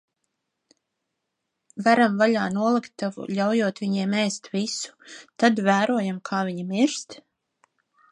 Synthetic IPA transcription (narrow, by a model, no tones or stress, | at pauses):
vaɾamvaʎaːnuɔlˠikt̪ːavṵlʲawjuɔt̪viɲiɛmɛːst̪visu̥t̪ad̪væːɾuɔjamkʰaːviɲimiɾst̪